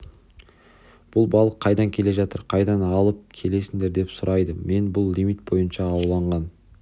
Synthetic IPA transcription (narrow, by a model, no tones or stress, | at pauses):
b̥ʊlˠbɑlˠəqʰːɑjd̪ɑŋkʲʰe̞le̞ʒɑt̪əɾqʰɑjd̪ɑnɑlˠəp̚kʲʰe̞le̞sɪŋd̪e̞ɾd̪e̞psʊɾʔɑjd̪əme̞nbʊlˠːimit̪̚bo̞jənʃɑːwlˠɑɴʁɑn